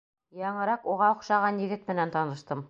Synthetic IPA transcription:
jɑɴɤ̆ɾɑquʁɑŏqʃɑʁɑnjɘ̆ɡɘt̪mɘ̆nænt̪ɑnɤ̆ʃt̪ɤm

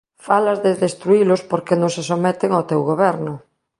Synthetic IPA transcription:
falazðeðest̪ɾuilospoɾkenõŋsesomɛt̪eŋat̪ewɣoβɛɾnʊ

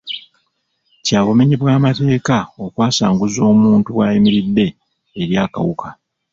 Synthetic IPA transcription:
caːβo̞meɲiβwaːmate̞ːkao̞kwaːsaːŋɡuzo̞ːmuːntuwaːjimiɾidːe̞ː | ɾjaːka̰wuka

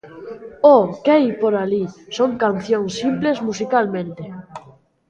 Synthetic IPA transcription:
ɔkejpoɾalisoŋkan̟θjõŋsimplezmus̬ikalmẽnt̪e

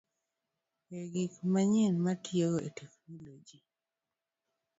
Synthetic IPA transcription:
eɡikmaɲɪnmatjeoetʰekmilod͡ʒi

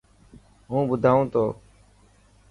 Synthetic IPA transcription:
ɦũːbʊd̪ʱaːũːt̪oː

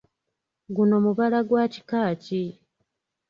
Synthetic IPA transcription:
ɡuno̞muβalaɡwaːci̥kaːci

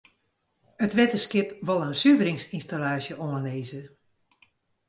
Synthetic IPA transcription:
ətʋɛtəskɪpʋɑlˠənsyvəɾɪŋsinstalaːʃjəʔoəneːzə

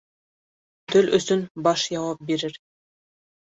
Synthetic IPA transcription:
t̪ɵlɵ̆sɵnbɑʃjɑwɑp̚biɾɘɾ

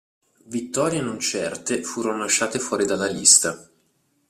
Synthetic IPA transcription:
vit̪ːɔːɾjenont͡ʃɛrt̪efuːɾonolaʃːaːt̪efwɔːɾid̪alːalist̪a

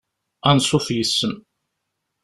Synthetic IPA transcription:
ænsˤoθjəsːəm

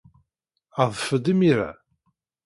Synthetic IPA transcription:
əðˤfəd̪imiɾa̰

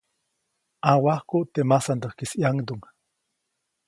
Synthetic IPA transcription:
awahkuʔt̪emasand̪ohkisiaŋd̪uŋ

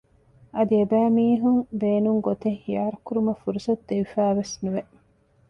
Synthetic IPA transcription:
ɐd̪iebæːmiːɦuŋbeːnuŋɡot̪ehijaːɾɐkuɾumɐfuɾusɐd̪d̪eʋifæːʋesnuʋeʔ

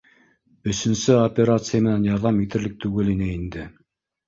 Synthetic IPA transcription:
ɵ̆sɵ̆nsɘopʲeɾat̪sɨjəmĕnænjɑɾðɑmit̪ɘ̆ɾlɘk̚t̪ʰʉɡɘlinɘind̪ɪ

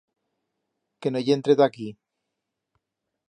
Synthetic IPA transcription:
kenoʝent̪ɾeðaki

